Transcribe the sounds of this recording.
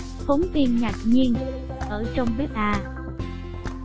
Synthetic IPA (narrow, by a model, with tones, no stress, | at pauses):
fo˨˦nt̪i˧ənɲa˨˩t̚ɲi˧ən | ʔəː˧˩t͡ɕɔ˧wŋ͡mɓe˦˥t̚ʔaː˧˩